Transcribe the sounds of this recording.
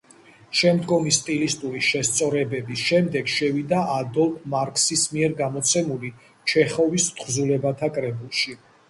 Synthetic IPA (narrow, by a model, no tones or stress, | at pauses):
ʃɛmd̪ɡɔmist̪ʼilist̪ʼuɾiʃɛst̪sʼɔɾɛbɛbisʃɛmd̪ɛɡʃɛvid̪aʔad̪ɔlˠfʰmaɾkʼsismiɛɾɡamɔt̪sʰɛmuli | t͡ʃʰɛχɔvist̪ʰʼχzulɛbat̪ʰakʼɾɛbulˠʃi